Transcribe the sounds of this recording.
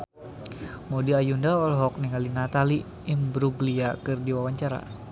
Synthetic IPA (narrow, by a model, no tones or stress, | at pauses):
modiajundaɔlɦɔk̚niŋalinat̪ali | ɪmbɾuɡliakɨrdiwawaɲt͡ʃaɾa̰